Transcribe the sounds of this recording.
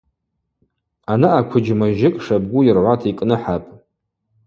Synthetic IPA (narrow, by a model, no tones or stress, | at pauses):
anaakʷʰʊd͡ʒmaʒɪkʼʂab̚ɡʷʊjɪrʕʷatʰikʼnɨħapʼ